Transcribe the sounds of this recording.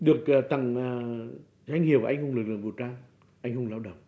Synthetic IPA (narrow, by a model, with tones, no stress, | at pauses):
ɗɨ˨˩ək̚ːt̪a˨˩ŋː˨˩ | za˧jŋ̟hi˧˩˨əwa˧jŋ̟hʊ˧ŋ͡mlk̚lɨ̰˧˩ə˨ŋvu˨˩wt͡ɕaː˧ŋ | ʔa˧jŋ̟hʊ˧ŋ͡mlaː˧wɗə̰˧˨˩wŋ͡m